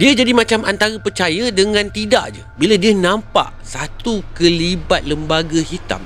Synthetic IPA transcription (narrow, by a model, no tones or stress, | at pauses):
diəd͡ʒadimãt͡ʃamʔant̪aɾəpərt͡ʃajədəŋãnt̪ida̰ʔd͡ʒəbiladiənãmpa̰ʔsat̪ukəlibat̪̚ləmbaɡəhit̪a̰m